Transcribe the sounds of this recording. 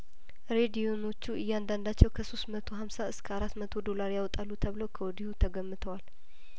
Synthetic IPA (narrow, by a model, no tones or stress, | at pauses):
ɾe̞d̪iono̞t͡ʃːuɨjːɛand̪and̪at͡ʃːɛwkʰəso̞st̪mət̪ʰo̞ɦamsaɨskʰəaɾat̪ːmət̪ʰo̞d̪o̞laɾjawɔt̪ʼalːut̪ʰəβləwkʰəwɔd̪ihut̪ʰəɡəmːɨt̪ʰəwal